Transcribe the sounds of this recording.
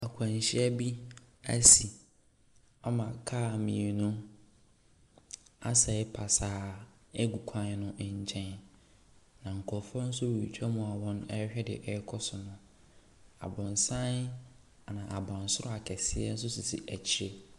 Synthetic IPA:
a˨kʷʰã˨ɲ˨ɕɪ˦ɛ˦bi˦æ˦si˨ | a˦mã˨kʰa˦˨mĩ˨e˨nʊ̃˦ | a̰˦sɛ˨ɪ˦pʰa˨saː˨˦ | ɛ˦ɡu˨kʷʰã˨n˦nʊ̃˦ʔɲ˨t͡ɕʰɛ̃˦n | nã˨ŋ̩˨kʰɔ˨fɔ˦n̩˦sʊ˦wɛ˨i˨t͡ɕʰᶣa˦mʊ̃˨a˨wɔ̃˦nɛ˦hᶣɛ˦dɪ̰˨ʔɛ˦kʰɔ˦sʊ˨nʊ̃˦ | a̰˨bɔ̃˨n˨sã˦n˨ | nã˨ʔa˨bã˨n˨sʊ˦ɾʊ˦a˨kʰɛ˨sɪ˦ɛ̰˦n̩˦s̬ʊ˦sʊ˨sḭ˨ʔæ˨t͡ɕʰɪ˦e˦

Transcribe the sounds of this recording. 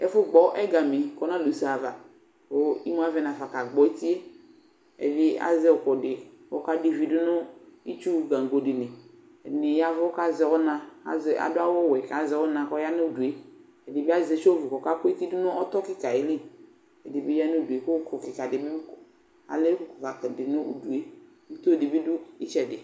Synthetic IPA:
ɛ˦fʊ˦ɡ͡bɔ˨ʔɛ˦ɡa˨mi˨kɔ˦na˦˨lu˨˦sa˨va˨ | ko˦i˦m˦a˦vɛ˨na˨fa˨ka˨ɡ͡bɔ˨e˦ti˦e˦ | ɛ̰˨vi˦a̰˦zɛ˦ɔ˨kɔ˨dɪ˨ɔ˦ka˦di˨vi˨du˦nʊ˦i˦t͡ʃu˦ɡa˨ŋ˨ɡo˨dɪ˨ne˨ | ɛ˨dɪ˨nɪ˨ja˦vka˦zɪ˨ɣʊ˦na˨a̰˨za̰˨dʊ˦a˦wɔ˦˨wɛ˨ka˨zɪ˨ɣʊ˦na˨kɔ˦ja˦n˦u˦du˨e˦ | ɛ˨dɪ˨bi˦a˦ze˨˦ʃo˦vu˨kɔ˨ka˦kɔ˦i˦ti˦dʊ˦nʊ˦ɔ˦tɔ˦kɪ˦ka˨ɪ˦li˦ | ɛ˨dɪ˨bi˦ja˦n˦u˦˨du˨e˨ko˦kɔ˨kɪ˨ka˨dɪ˨bi˦bu˦kɔ˨ | a̰˨le˦kʊ˨˦kɔ˨ka˨kɛ˨dɪ˨nʊ˦u˨du˨e˦ | n̩˦to˦˨di˨bi˦du˦i˦t͡ʃɛ˨dɪ˨

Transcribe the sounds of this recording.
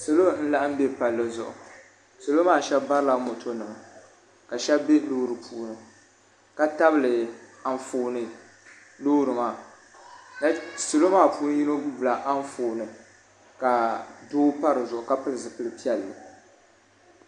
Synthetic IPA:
so˨lo˦n̩˦la˦ʔɨ˦m˦be˦pa˨lːɨ˨zʊ˨ʔʊ̰˨ | so˨lo˦maː˦˨ʃɛ˦bba˦ɾɨ˦la˨mo˨tʰo˦nɨ˨ma˨ | ka˨ʃɛ˦bbe˦loː˦ɾɨ˨pʰuː˦nɨ˨ | ka˦ta˦bɨ˦lɨ˨a˨ɱfoː˨nɨ˨ | loː˦ɾɨ˨ma˨ | na˦so˨lo˦maː˦˨puː˦n˦ji˦no˦bbla˨ʔa˦n˦foː˨nɨ˨ | ka˨doː˦pa˦ɾɨ˨zʊ˨ʔʊ˨ka˦pɨ˦lɨ˨zɨ˨pɨ˨lɨ˨pi˦ɛ˨lːɨ˨

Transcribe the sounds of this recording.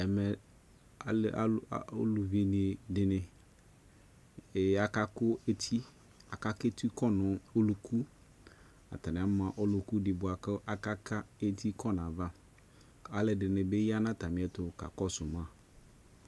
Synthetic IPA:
ɛ˨mɛ˨ | a˨lo̰˦lu˨vi˨˦nɪ˨dɪ˨nɪ̃˨ | a˨ka˦kʊ˦e˦t̪ʰi˦ | a˨ka˦ke˦t̪i˦kɔ˦nʊ̃˨o˦lu˨kʰu˦ | a̰˨t̪a˨nɪ̃˨a˨˦ã˨ʔɔ˦lʊ˨ku˦dɪ˨bʊ˨a˨kɪ˦ʔa˨ka˦kʰa˦e˦tʰi˦kʰɔ˦nã˨va˦ | a˨lɪ˨dɪ˨nɪ̃˨be˦ja˦nã˦t̪a˨mɪ̃˨˦ɛ˨tʊ˨ka̰˨kɔ˦sʊ˨mã˦˨

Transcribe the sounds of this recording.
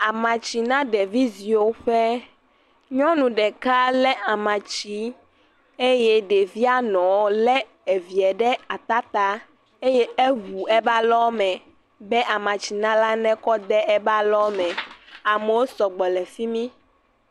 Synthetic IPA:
a˨mã˨t͡ʃi˨nã˦ɖɛ˨vi˦zi˨o˦ɸɛ˦ | ɲɔ̃˦nũ˨ɖɛ˨ka˦lɛ˦a˨mã˨t͡ɕi˦ | e˦jɛ˦ɖe˨vi˦a˦nɔ̃˨wlɛ˦ | e˨vi˨ɛ˨ɖɛ˦a˨t̪a˦t̪a˦ | e˦jɛ˦e˦ɦu˨ɛ˦ba˦lɔ˦mɛ̃˨ | bɛ˦ʔa˨mã˨t͡ɕi˨nã˦la˦nɛ̃˦kɔ˦d̪ɛ˦ɛ˦ba˦lɔ˦mɛ̃˨a˨mɛ˨wo˦sɔ˨ɡ͡bɔ˨lɛ˨fi˦mĩ˦

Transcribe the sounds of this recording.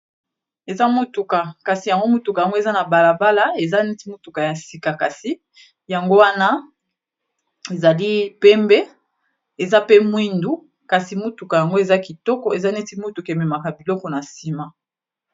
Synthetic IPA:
e˨za˦mo˦tu˨ka˨ka˨si˨ja˨ŋɡo˦mo˦tu˨ka˨ja˨ŋɡo˦e˨za˦na˨ba˨la˨ba˦la˦e˨za˦nɛ˦ti˦mo˦tu˨ka˨ja˨si˨ka˨ka˨si˨ | ja˨ŋɡo˦wa˦na˦ | e˨za˨li˦pɛ˦mbɛ˦ | e˨za˦pe˦mwi˦ndu˦ | ka˨si˨mo˦tu˨ka˨ja˨ŋɡo˦e˨za˦ki˨tɔ˦kɔ˨e˨za˦nɛ˦ti˦mo˦tu˨ka˨e˨mɛ˨ma˨ka˨bi˨lɔ˦kɔ˨na˨si˦ma˨

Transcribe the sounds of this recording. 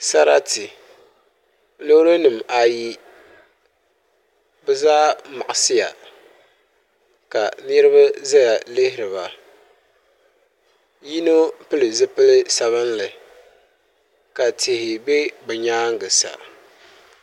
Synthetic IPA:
sa˦ɾa˦tɪ˨ | lo˦ɾo˦nɨ˨ma˨ji˦ | bɛ˦zaː˦ma˨ʔʊ˨sɪ˦ja̰˨ | ka˨nɨ˦ɾɨ˦βa˦za˦ja˨lɪ˦hɪ˦ɾɨ˨ba˨ | ji˦no˦pɨ˦lɨ˨zɨ˦pɨ˦lɨ˦sa˨βɨ˦nlɨ˨ | ka˨tɪ˨hɪ˨be˦bɨ˨ɲaː˦ŋɡɨ˨sa̰˨

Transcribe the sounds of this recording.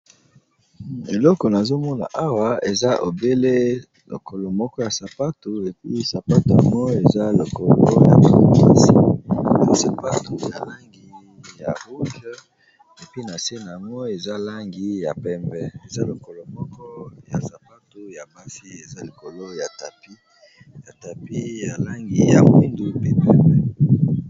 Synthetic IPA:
e˨lɔ˦kɔ˨na˨zo˦mɔ˦na̰˨ʔa˦wa˦e˨za˦ʔo˨be˦le˦ | lo̰˨kʰo˨lo˨mɔ˦kɔ˦ja˨sa˨pa˦tu˨e˨pi˦sa˨pa˦tu˨a˨ŋɡɔ˦e˨za˦lo˨ko˨lo˦ja̰˨tma˦si˦na˨sa˨pa˦tu˨ja˨la˦ŋɡi˨˦ | ja˨bu˦k | e˨pi˦na˨se˦na˨a˨ŋɡɔ˦e˨za˦la˦ŋɡi˨ja˨pɛ˦mbɛ˦e˨za˦lo˨ko˨lo˨mɔ˦kɔ˦ja̰˨sa˨pa˦tu˨ja˨ma˦si˦e˨za˦li˨ko˨lo˦ja˨ta˨pi˦ | ja˨ta˨pi˦ja˨la˦ŋɡi˨ja˨mwi˦ndu˦pe˦pɛ˦mbɛ˦

